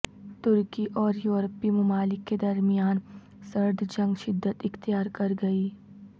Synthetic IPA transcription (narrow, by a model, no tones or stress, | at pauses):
t̪ʊɾkiʔɔːɾjuːɾəpimʊmaːlɪkːed̪ɐɾmɪjaːn | sɐɾd̪ʱd͡ʒɐ̃ŋɡʃɪd̪ːət̪ɪxt̪ɪjaːɾkɐɾɡɐiː